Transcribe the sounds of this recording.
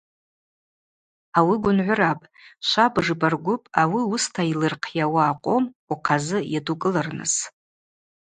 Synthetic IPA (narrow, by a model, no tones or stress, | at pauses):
awiɡʷʊnʕʷʊrapʼ | ʃʷabʐɨbarɡʷʊpʼawiʊstʰailɨrqʰjawaːqʷʼomuqʰazɨjadukʼɨlɨrnɨ̰s